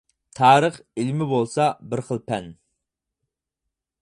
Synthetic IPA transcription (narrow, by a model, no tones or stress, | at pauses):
t̪ʰɑːɾəχilmɪbolˠsɑbɪɾχəlˠpʰɛn